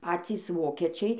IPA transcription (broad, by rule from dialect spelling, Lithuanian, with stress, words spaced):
ˈpɑːt͡sʲiːs ˈʋoːkʲɛt͡ʃʲɛɪ